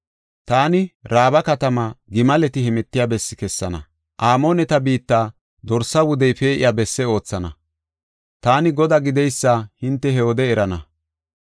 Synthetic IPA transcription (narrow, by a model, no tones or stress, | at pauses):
t̪aːnɪɾaːbɐkɐt̪ɐmaɡɪmɐlɛt̪ɪhɛmɛt̪ːɪjaːbɛsːɪ̥kɛsːɐnɐ̰ | ʔaːmoːnɛt̪ɐbiːt̪ːaː | d̪ɔɾsɐwʊd̪ɛjpe̞ːʔɪ̰jaːbɛsːɛo̞ːt͡sːɐnɐ | t̪aːnɪɡɔd̪aːɡɪd̪ɛjsːahɪnt̪ːɛhɛod̪ɛːɾɐnɐ